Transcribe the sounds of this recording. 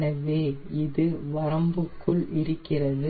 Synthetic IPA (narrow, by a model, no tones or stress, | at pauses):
nɐʋeːɪðɯʋɐɾɐmbɯkʰːɯɭʔɪɾɯkːɪrɐðɯ